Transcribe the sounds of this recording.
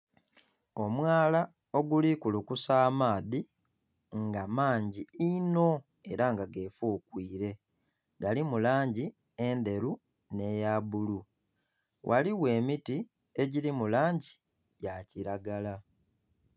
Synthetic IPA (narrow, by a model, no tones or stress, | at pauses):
o̞mwaːla | o̞ɡulikulukusaːmaːði | ŋɡamaːɲɟiino̞ | e̞ɾaŋɡaɡeːfuːkwiːɾe̞ | ɡalimulaːɲɟi | ende̞ɾu | ne̞jaːβulu | wʔa̰liwe̞ːmiti | e̞ɟiɾimulaːɲɟi | jaciɾaɡala